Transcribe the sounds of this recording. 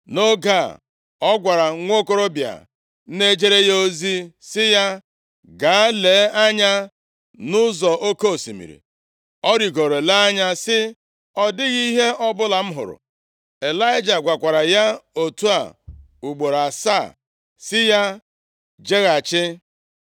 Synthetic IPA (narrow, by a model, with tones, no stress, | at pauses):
no˦ɡa̰˦˨ | ɔ˦ɡʷa˨ɾa˨˦ŋʷo˦ko˦ɾo˦bja̰˨ | n̩˦ne˦d͡ʒe˦ɾe˦jo˦zi˦sɪ˦ja˦ | ɡa˨˦le˨˦a˦ɲa˦ | nʊ˦zɔ˨ʔo˦ko˦o˨sḭ˨mḭ˨ɾḭ˨ | ɔ˦ɾi˨ɡo˨ɾe˨la˦a˦ɲa˦sɪ˦ | ɔ˦dɪ˦ɣi˦i˦ɦe˦ʔɔ˦bʊ˦la˨m̩˦ɦʊ̰˨ɾʊ̰˨ | e˨la˦ɪ˦d͡ʒa˨ɡʷa˨kʷa˨ɾa˨ja˦o˨tu˦a̰˨ | u˨ɡ͡bo˨ɾa˨sa˦˨ | sɪ˦ja˦ | d͡ʒe˦ɣa˨t͡ʃɪ˦